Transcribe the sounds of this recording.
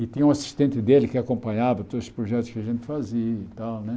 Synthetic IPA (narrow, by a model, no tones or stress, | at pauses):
it̪ĩɲɐũɐsi̥ʃt̪ẽnt̪ɪd̪elɪkɪɐkõmpɐɲavɐt̪od̪zʊ̥ʃpɾoʒɛt̪ʊʃkɪɐʒẽnt̪faziɐit̪alnɛ